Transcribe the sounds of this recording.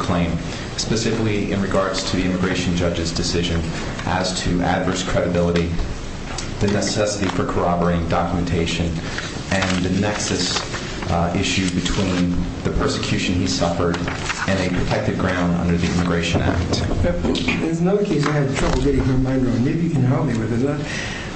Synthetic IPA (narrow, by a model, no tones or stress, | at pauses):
kʰl̥ẽɪ̃m | spɨsɪfɪkliʔɪ̃nɹɨɡɑɹdz̥tʰɨðiɪ̃mɨɡɹeɪʃn̩d͡ʒʌd͡ʒɨzdɨsɪʒɨ̃n | ʔɨz̥tʰɨʔæ̰dvɜ˞skʰɹ̥ɛɾɨbɪlˠəɾi | ðɨnɨsɛsɨɾifə˞kʰə˞ɑbə˞ɪɪ̃ŋdɑkjmɨ̃n̩tʰeɪʃɨ̃n | ɨ̃nðɨnɛksɨs | ɪʃʉbɨtʰw̥ĩnðɨpʰɜ˞sɨ̥kʰj̥ʉʃɨ̃n̩isʌfə˞ɾ | ɨ̃nɨpʰɹ̥ɨtʰɛk̚tɨd̚ɡɹãʊ̃ndʌ̰̃ndə˞ðiɪ̰̃mɨɡɹeɪʃɨ̃næ̰k̚t | əzənʌðə˞kʰeɪs̬aɪɨvɨtʰɹ̥ʌbl̩ˠɡɛɾɪ̃ŋəmãɪ̃nɡɹõʊ̃neɪvjɨkʰɨ̃nɦɛlˠp̚miwɨðɨzðæt̚